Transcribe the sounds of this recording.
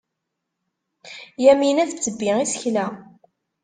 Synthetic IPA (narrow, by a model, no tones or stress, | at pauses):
jæminæθbt͡sːəbːiisə̥çlæ